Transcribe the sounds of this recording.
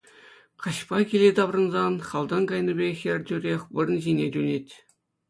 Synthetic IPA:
qɑɕpɑkʲilʲet̪ɑbrɤ̆nzɑnχɑlˠd̪ɤŋɡɑjnɤ̆bʲexʲerʲdʲyrʲexʲʋɤ̆r̆nʑinʲedʲynʲetʲ

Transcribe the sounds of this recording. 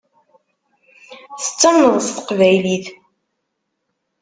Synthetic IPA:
θə̥t͡sːəmnəðˤst̪ə̥qvæjliθ

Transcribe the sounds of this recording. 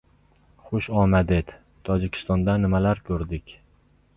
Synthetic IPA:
χʊʃɒmad̪et̪ | t̪ʰɒd͡ʒɪkʲʰɪ̥st̪ɒnd̪anɪmalaɾkʲʰɵɾd̪ɪkʲ

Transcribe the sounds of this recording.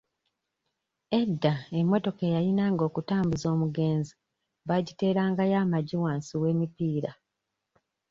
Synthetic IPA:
e̞dːae̞mːo̞to̞kejajinaːŋɡo̞ːkutaːmbuzo̞ːmuɡe̞ːnzi | βaɟite̞ːɾaːŋɡajaːmaɟiwaːnsiwe̞ːmipiːɾa

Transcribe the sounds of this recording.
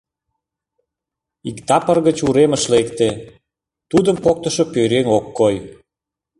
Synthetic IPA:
ikt̪ɑpərɣət͡ɕuɾeməʃlekt̪e | t̪ud̪əmpok̚t̪əʃopøɾeŋokːoj

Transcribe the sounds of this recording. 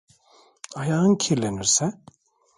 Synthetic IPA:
ajaːɯncʰiɾleniɾsɛ

